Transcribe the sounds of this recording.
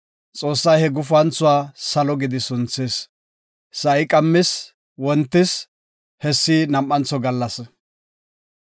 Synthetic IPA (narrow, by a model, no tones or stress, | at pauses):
t͡sʼo̞ːsːɐjhɛɡʊf̬ʊɐnt͡sːʊwaːsɐlɔɡɪd̪ɪsʊnt͡sːeːs | sɐɪkʼɐmːɪs | wɔnt̪ːɪs | hɛsːiːnɐmʔːɐnt͡sːɔɡɐlːɐs